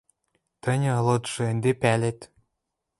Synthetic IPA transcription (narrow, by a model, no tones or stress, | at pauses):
t̪ɤ̆nʲɤ̆lɤ̆t̪ʒɤ̆end̪epælet̪